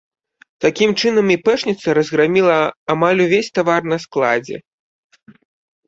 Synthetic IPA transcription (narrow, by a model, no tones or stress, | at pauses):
t̪akʲimt͡ʂɨnɐmipɛʂnʲit̪sɐɾɐzɣɾamʲilˠɐamalʲuvʲesʲt̪avarnɐsklˠad͡zʲɛ̰